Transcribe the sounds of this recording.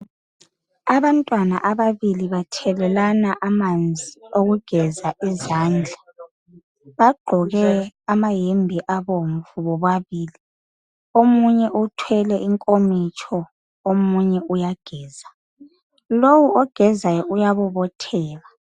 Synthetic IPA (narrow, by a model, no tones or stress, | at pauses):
aβantʼwana̰ʔaβaβiliβatʰɛlɛlanaʔamand͡zʱioɣuɡ̥ʱɛzaizaːnd͡ɮʱa | βaɡ͡ǃʱɔɣɛamajembʱiʔaβoɱ̩vuβɔβwaβiːli | omuɲɛʔutʰwɛlɛʔiŋkʼomit͡ʃʼʰɔ | omuɲɛujaɡ̥ʱɛːza | lowuɔɡ̥ʱɛzajɔʔujaβɔβɔtʰɛːla